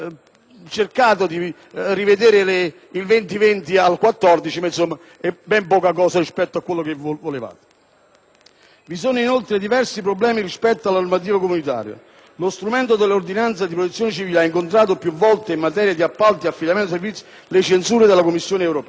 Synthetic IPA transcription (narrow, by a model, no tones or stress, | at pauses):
t͡ʃerkaːt̪̬od̪i | rived̪eːɾɪle | ilvent̪ivent̪ialkwat̪ːɔrd̪it͡ʃimansomːa | ɛbːɛmpɔːkak̬ɔːsarispɛt̪ːoakːwelːok̟evvoleva̰ːt̪e̥ | visoːnʊinolt̪ɾed̪ivɛrsip̬ɾoblɛːmiɾispɛt̪ːoalːanormat̪̬iːvakomunit̪a̰ːɾja̰ | lost̪ɾumɛnt̪od̪elːord̪inant̪sad̪ipɾot̪et̪sjoːnet͡ʃiviːleaiŋkont̪ɾaːt̪̬opjuvːɔlt̪eimːat̪̬ɛːɾjad̪iapːalt̪iafːid̪amɛnt̪osevit̪s | let͡ʃensuːɾed̪elːakomːisːjoːneɛwɾopɛː